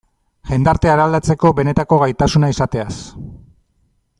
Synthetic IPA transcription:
ʝend̪aɾt̪e̞aɾald̪at͡se̞ko̞βe̞ne̞t̪ako̞ɣajt̪asunaisat̪e̞as

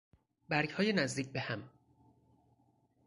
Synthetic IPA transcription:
bæɾɡhɒːjenæzd̪iːc̚ʰbehæm

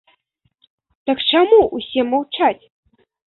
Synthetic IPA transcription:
t̪ɐkt͡ʂamuusʲɛmawt͡ʂat͡sʲ

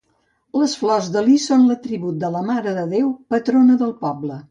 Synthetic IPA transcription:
ləsflɔzðəlisonlət̪ɾiβut̪̚d̪ələmaɾəðəðewpət̪ɾonəðəlˠpɔblə

